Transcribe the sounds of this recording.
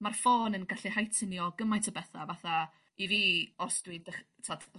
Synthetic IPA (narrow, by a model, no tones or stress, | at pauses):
marfoːnənɡaɬihajtʰənjɔɡəmajtʰəbɛθavaθa | iviːɔrsdwidəχ | tʰad